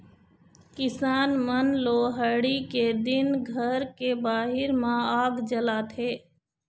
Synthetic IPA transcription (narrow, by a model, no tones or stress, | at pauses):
kɪsaːnmənloːɦəɽiked̪ɪnɡʱəɾkebaːɦɪɾmãaːɡd͡ʒəlaːt̪ʰeː